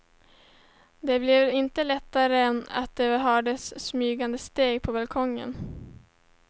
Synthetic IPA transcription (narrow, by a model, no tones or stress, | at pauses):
d̪ɛblɪvɾɪnt̪əlɛt̪ːaɾəɛna̰t̪̚d̪ɛɦœːɖəsːmyːɡand̪əst̪eːɡpʰɔbalkʰɔŋːə̰n